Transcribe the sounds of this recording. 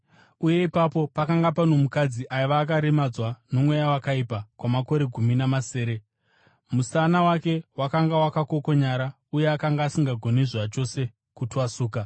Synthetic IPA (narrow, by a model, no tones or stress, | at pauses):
uje̞ipapo̞pakaŋɡapano̞mukad͡ziʔajiʋaːk̬aɾemad͡zwano̞mwe̞jawakaipakwamako̞ɾe̞ɡʱuminamase̞ːɾe̞ | musanawake̞wakaŋɡawakako̞ko̞ɲaɾa | uje̞akaŋɡaːsiŋɡaɡʱo̞niʐwat͡ʃo̞se̞ | kutuwasuːka